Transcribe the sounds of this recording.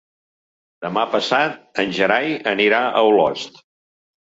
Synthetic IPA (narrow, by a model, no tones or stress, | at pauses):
d̪əmapəsat̪̚ənʲʒəɾajəniɾaʔəwlɔ̰st̪